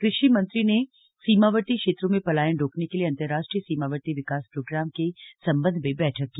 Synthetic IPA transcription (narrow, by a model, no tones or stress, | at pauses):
kɾɪʃimɐ̃nt̪ɾine | siːmaʋəʈ̪ikʃeːt̪ɾõmẽpɐlaːjə̃nɾoːknekelieɐ̃nt̪əɾːaːʃʈɾijəsiːmaːʋəʈ̪iʋɪkaːspɾoːɡɾaːmkesɐ̃mbə̃nd̪ʱmẽbɛːʈʰəkːi